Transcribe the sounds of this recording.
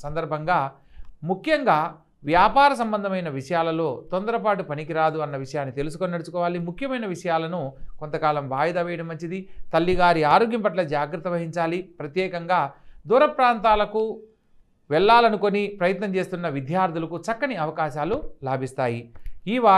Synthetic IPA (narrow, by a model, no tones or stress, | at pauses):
sɐnd̪ɐɾbʱɐŋɡaː | mukʰjɐŋɡaː | ʋjaːpaːɾɐs̬ɐmbɐnd̪ʱɐmɐjnɐʋiʂɐjaːlɐlo̞ːt̪ond̪ɐɾɐp̬aːʈupɐnikiɾaːd̪uɐnːɐʋiʂɐjaːnːit̪e̞lus̬u̥koninɐɽusu̥kɔːʋaːlimukʰjɐmɐjnɐʋiʂɐjaːlɐnuko̞nt̪ɐkaːlɐmʋaːjɐd̪aːʋɛːjɐɽɐmːɐɲt͡ʃid̪it̪ɐlːiɡaːɾiaːɾo̞ːɡjɐmpɐʈlɐd͡ʒaːɡɾɐt̪ːɐʋɐɦiɲt͡ʃaːlipɾɐt̪jɛːkɐŋɡaːd̪uːɾɐpɾaːnt̪aːlɐku | ʋɛɭːaːlɐnuko̞nipɾɐjɐt̪nɐmt͡ʃe̞ːst̪unːɐʋid̪ʱjaːɾt̪ulɐkut͡ʃɐkːɐniɐʋɐkaːʃaːlulaːbʱist̪aːjiiːʋaː